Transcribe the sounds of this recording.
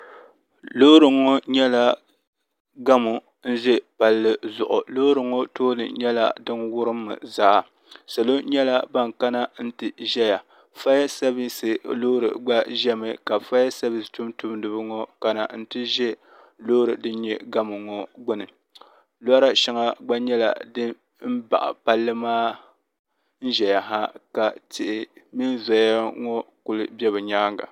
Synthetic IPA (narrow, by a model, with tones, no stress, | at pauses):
lo˦ɾɨ˨ŋːɔ˦ɲɛ˦la˦ | ɡa˦mʊ˨ | n̩˦ʒɛ˦pa˨lːɨ˦zʊ˨ʔʊ˨lo˦ɾɨ˨ŋɔ˦toː˦lɨ̰˨ɲɛ˦la̰˦dɨ˦nwʊ˦ɾɨ˦mːɨ̰˨za˦ʔa˨ | sa˨lo˦ɲɛ˦la˦ba˦ŋka˦na˦n̩˦tɨ˦ʒɛ˦ja˨ | fa˦ja˦sa˦bi˦sɨ˨loː˦ɾɨ̰˨ɡ͡ba˦ʒɛ˦mɨ˨ka˨fa˦ja˦sa˦bɨ˨stu˦mtu˦mdɨ˨bɨ˦ŋɔ˦ka˦na̰˨n̩˦tɨ˦ʒɛ˦ | lo˦ɾɨ˨dɨ˦n̩˦ɲɛ˦ɡa˦mɨ˨ŋɔ˦ɡ͡bʊ˦nɨ˨ | la˦ɾa˦ʃa˦ŋa˦ɡ͡ba˦ɲɛ˦la̰˨dɨ˦ | m̩˦ba̰˨ʔa̰˨pa˦lːɨ˦maː˦ | n̩˦ʒɛ˨ja˨ɦa˦ka˨tɪ˨ʔɪ˨mi˦nza˨ja˦ŋɔ˦kʊ˦lɨ˦bɛ˦βɨ˨ɲaː˦ŋɡa̰˨